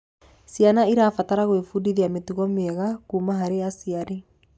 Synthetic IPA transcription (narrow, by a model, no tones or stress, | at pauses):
sianaiɾaːfataɾaɣoefudiðiametuɣɔmeɛɣakuːmaɦaɾeasiaɾe